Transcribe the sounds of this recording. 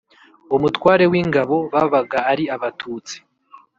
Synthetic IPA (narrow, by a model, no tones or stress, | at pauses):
umutwaːɾe̞wiːŋɡaβo̞βaβaɡaːɾiaβatʰuːt͡si̥